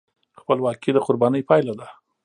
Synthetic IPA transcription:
xpəlwɑkid̪əqʊɾbɑnəjpɑjlad̪a

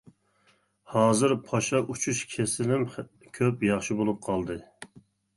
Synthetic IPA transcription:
hɑːzɨɾpʰɑʃɑʔut͡ʃʰuʃkʲʰesɪlɪm | kʲʰøpjɑχʃibolˠup̚qʰɑlˠd̪ɨ

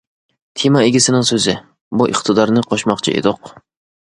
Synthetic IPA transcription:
t̪ʰimaeɡʲɪsɪnɪŋsøzɪ | buʔɨqt̪ʰɨd̪ɑɾnɪqʰɑʃmɑqt͡ʃʰḭʔḛd̪ʊq

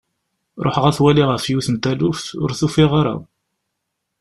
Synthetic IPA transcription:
ɾˤo̰ħʁæθwæliʁəfjuθnt̪ælufθʊ̰ɾθufiʁaɾa̰w

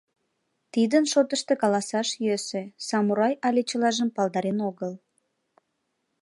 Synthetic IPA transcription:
t̪id̪ənʃot̪əʃt̪ekɑlɑsɑʃjøsesɑmuɾɑjɑlʲet͡ɕəlɑʒəmpɑld̪ɑɾenoɣəl

